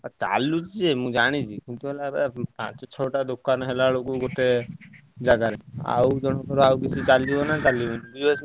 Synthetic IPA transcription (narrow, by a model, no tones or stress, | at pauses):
at͡ʃa̰lːut͡ʃid͡ʒemũd͡ʒaɽ̃it͡ʃʰikũnt̪uɦelabepã̰t͡ʃɔt͡ʃʰɔʈad̪okːanɦelalokuɡoʈe | d͡ʒaɡaɾea̰wd͡ʒɔnɔkɔɾawkit͡ʃʰit͡ʃalibonat͡ʃalibonibud͡ʒat͡ʃʰ